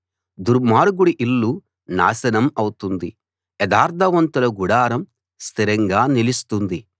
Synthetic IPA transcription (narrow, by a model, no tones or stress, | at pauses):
d̪uɾmaːɾuɡuɽiʔilːu | na̰ːsɐnɐmɐwut̪und̪i | ɛd̪aːɾt̪ʰɐʋɐnt̪ulɐɡuɽaːɾɐm | st̪ʰiɾɐŋɡaːnilist̪und̪i